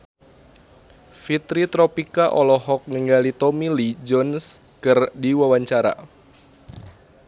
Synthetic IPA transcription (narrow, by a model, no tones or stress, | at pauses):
fit̪ɾit̪ɾɔpikaʔɔlɔɦɔk̚ŋəŋɡalit̪ɔmilid͡ʒɔns | kərdiwawaɲt͡ʃaɾa̰